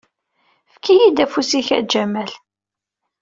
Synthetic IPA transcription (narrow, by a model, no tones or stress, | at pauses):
fkʰːijid̪æfusiçæ̰d͡ʒæmæl